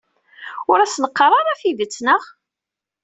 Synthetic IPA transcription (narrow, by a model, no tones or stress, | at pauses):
ʊɾæsnəqːrˤɑɾˤæfiðət͡sːnəʁ